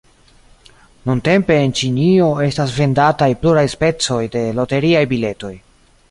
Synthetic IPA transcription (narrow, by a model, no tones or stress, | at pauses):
nunte̞mpe̞ːnt͡ʃinio̞e̞stasve̞ndatajpluɾajspe̞t͡so̞jde̞lo̞te̞ɾiajbile̞to̞j